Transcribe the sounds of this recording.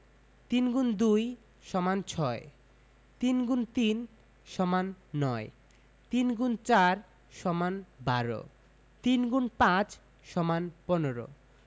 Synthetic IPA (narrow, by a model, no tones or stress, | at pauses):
t̪inɡund̪uj | ʃɔmant͡ɕʰɔe | t̪inɡunt̪in | ʃɔmanːɔe | t̪inɡunt͡ɕaɾ | ʃɔmanbaɾo̰ | t̪inɡunpãt͡ɕ | ʃɔmanponeɾo̰